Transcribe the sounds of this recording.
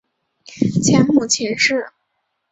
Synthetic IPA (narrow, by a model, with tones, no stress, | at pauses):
t͡ɕʰjɛ˧˥nmu˥˩t͡ɕʰi˧˥nʂɻ̩˥˩